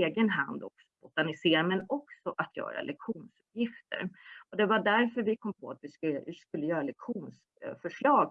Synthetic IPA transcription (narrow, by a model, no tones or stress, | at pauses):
eːɡənɦand̪ɔ̰ksɔbʊt̪anɪseːɾamɛnɔksɔʔat̪ʰjœ̰ːɾa̰lʔɛkɧuːnsɵpjɪft̪ʰə̰ɾɔd̪ɛvaɖæɾfœɾvɪkʰɔmːpʰɔat̪vɪskɪskɵlːəjœːɾalɛkɧuːns | fœʂɭɑːɡ